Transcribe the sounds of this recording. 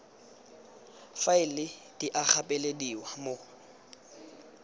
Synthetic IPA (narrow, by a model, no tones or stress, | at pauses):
faɪlɪ | d̥iʔak͡xapʼelediwamo